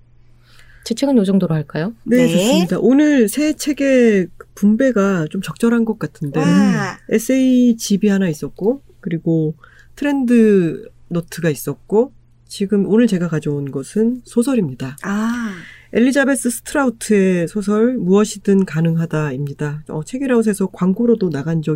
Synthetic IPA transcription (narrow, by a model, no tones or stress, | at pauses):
t͡ɕet͡ɕʰeɡɯnjod͡ʑʌŋdoɾoɦaɭk͈ajone̞t͡ɕʌsɯmɲidaʔonɯɭsʰe̞t͡ɕʰe̞ɡe̞ɯpumbe̞ɡat͡ɕomt͡ɕʌk̚t͡ɕ͈ʌɾɦanɡʌk̚k͈atʰɯnde̞es͈ʰeiit͡ɕibiɦanais͈ʌk̚k͈o | kɯɾiɡo | tʰɯɾe̞ndɯ | notʰɯɡais͈ʌt̚k͈o | t͡ɕiɡɯmonɯɭt͡ɕe̞ɡakad͡ʑʌunɡʌsʰɯnsʰosʰʌɾimɲida | e̞ʎːid͡ʑabe̞s͈ɯsʰɯ̥tʰɯɾautʰɯe̞sʰosʰʌɭmuʌɕʰidɯnkanɯŋɦadaimɲidaʌ̰t͡ɕʰe̞ɡiɾaus̬ʰe̞sʰʌkwaŋɡoɾodonaɡand͡ʑʌ